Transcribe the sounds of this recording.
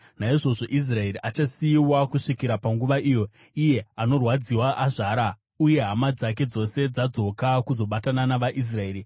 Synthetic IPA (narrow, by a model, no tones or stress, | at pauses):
naiʐo̞ʐo̞ʔis̬rae̞riʔat͡ʃasiːwakuʂikiɾapaŋɡuʋaʔijo̞ | ije̞ano̞rwad͡ziwaʔaʐaɾa | uje̞ɦamad͡zak̬e̞d͡zo̞se̞d͡zad͡zo̞kakuzo̞ɓatananaʋaʔis̬rae̞ːɾi